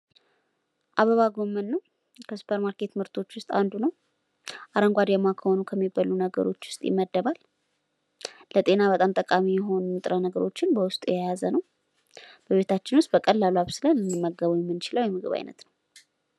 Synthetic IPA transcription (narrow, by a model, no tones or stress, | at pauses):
ʔaβəβaɡo̞mːənːəw | kʰəsu̥pʰəɾmaɾke̞t̪mɨɾt̪ʰo̞t͡ʃːwʊst̪ʼand̪unəw | ʔaɾəŋɡʷad̪jɛmːakʰəho̞nukʰəmːibəlunəɡə̰ɾo̞t͡ʃːwʊst̪ʼjɪ̰mːəd̪ːəβal | lət̪ʼe̞naβət̪ʼamt̪ʼəkʼamijɛɦo̞numɨt̪ʼɾənəɡəɾo̞t͡ʃːɪnbəwʊst̪ʼjɛjazənəw | b̥əβe̞t̪ʰat͡ʃːɪnwʊst̪̚ʼbəkʼəlːaluaβsɨlənɨnːɨmːəɡːəβujɛmːɨnt͡ʃɪləwjɛmɨɡɨβa̰jnə̰t̪nəw